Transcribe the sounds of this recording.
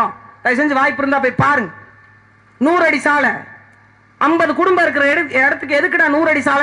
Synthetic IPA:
ãːt̪ɐjs̬ɛnɲd͡ʒɯʋaːjɪpːɪɾɯnd̪aːpoːjpaːɾɯŋɡɐ | nuːɾɐɽisaːlɐ̃ | ɐmbɐðɯkʊɽʊmbɐɪɾɯk̬ːɯɾɐɽɛɽɐt̪ːɯkːɯɛðɯkːɪʈːãːnuːɾɐɽisaːl

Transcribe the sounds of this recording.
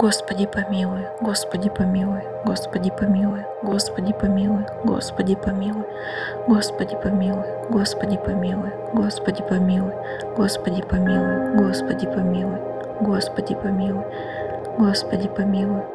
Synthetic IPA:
ɡ̥ospɐdʲɪpɐmʲilˠʊjʊɡospɐdʲɪpɐmʲilˠʊjʊɡospɐdʲɪpɐmʲilˠʊjʊɡospɐdʲɪpɐmʲilˠʊjʊɡo̰spɐdʲɪpɐmʲilˠʊjʊ | ɡospɐdʲɪpɐmʲilˠʊjʊɡospɐdʲɪpɐmʲilˠʊjʊɡospɐdʲɪpɐmʲilˠʊj | ɡospɐdʲɪpɐmʲilˠʊjʊɡospɐdʲɪpɐmʲilˠʊj | ɡospɐdʲɪpɐmʲilˠʊj | ɡospɐdʲɪpɐmʲilˠʊj

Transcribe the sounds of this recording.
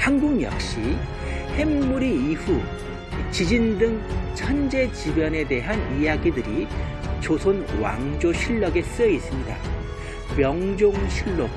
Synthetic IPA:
hanɡuŋjʌ̰k̚ɕ͈i | he̞mːuɾiːɸu | t͡ɕid͡ʑindɯŋt͡ɕʰʌnd͡ʑe̞t͡ɕibjʌne̞de̞ɦanijaɡidɯɾi | t͡ɕosʰonwa̰ŋd͡ʑoɕʰiɭːʌɡe̞s͈ɯjʌis͈ɯmɲida | mjʌŋd͡ʑoŋɕʰiɭːok̚

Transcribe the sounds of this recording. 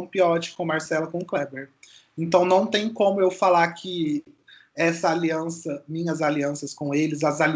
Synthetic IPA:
w̃piɔt͡ʃɪ̥kõmaɾsɛlɐkõklɛbeɾ | ẽnt̪ɐ̃w̃nɐ̃w̃t̪ẽj̃kõmʊewfalakʰɪ | ɛsɐaliɐ̃sɐmĩɲɐzaliɐ̃sɐskõelɪzɐzali

